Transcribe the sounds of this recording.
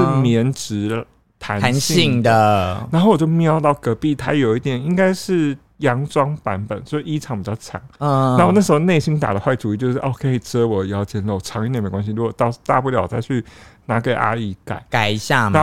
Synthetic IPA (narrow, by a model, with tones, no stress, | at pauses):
mjɛ˧˦nʈ͡ʂɻ̩˧˥ | t̪ʰa˧˦nʰa˧˦nɕi˥i˥˩ŋd̪ə˨a˧nxo˥˩wɔ˩t͡ɕo˥˩ʊmjɑ˥˧˥ʊt̪ɑ˥˩ʊkɤ˧˥pi˥˨˩t̪ʰa̰˥jo˨˩ʊi˥t̪̬jɛ˨˩ni˦˥ŋka˥ɪʂɻ̩˥˩ | jɑ˧˥ŋʈ͡ʂwɑ˥ŋpa˧˦˥npə˨˩˦nt͡ɕjo˥˧ʊʂɻ̩˥˩i˥ʈ͡ʂʰɑ˨˩˦ŋpi˨˩t͡ɕɑ˥˩ʊʈ͡ʂʰɑ̰˨˩˦ŋ˥a˧˥o˧˨˩na˥˩ʂ̩ɻxo˥˧ʊne˥˩ɪɕi˥ŋt̪a̰˨˩ɾə˨˦xwa˥˩ɪʈ͡ʂu˨˥i˥˩t͡ɕjo˥˧ʊʂ̩˥ʔo˧˥ʊkʰe˧˥ɪʈ͡ʂɤ˥wɔ˨˩˨ɑ˥˩ʊt͡ɕjɛ˧˥˩nlo˥˩ʊ˩ʈ͡ʂʰɑ˧˥ŋi˥t̪jnme˨˥ɪkwa˧˥nɕi˧ɻu˧˥wɔ˨˩t̪ɑ˥˧ʊt̪a˥˧pu˥˩ljɑ˨˩ʊwt͡sa˧˥ɪt͡ɕʰy˥˩na˧˥ke˨˩ɪʔa̰˥i˧˥ka̰˨˩˦ɪka˨˩ɪ˧ɕja˥˩a˧˦